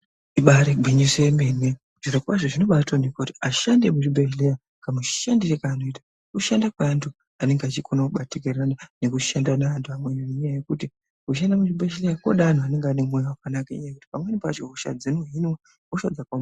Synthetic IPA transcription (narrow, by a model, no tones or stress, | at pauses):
iɓaɾeɡʱwiɲisembene | ʐ̥inokwaʐoʐino̞ɓatonekotiaʃande̞muʐibʱeʃleja | kamuʃandirekaːno̞ita | kuʃandakwaːntʰu | ane̞ŋɡeat͡ʃikʰonakuɓatekeranane̞kuʃandanaːntuamwejoneɲjaje̞kuti | kuʃ̬andamuʐibʱeʃilejakoɗaːn̤uane̞ŋɡaːnemojowakanakaḭɲajeku̥ti̥pamwenipat͡ʃoɦuʃa̰d͡zenoɦinwa | oʃad͡zakom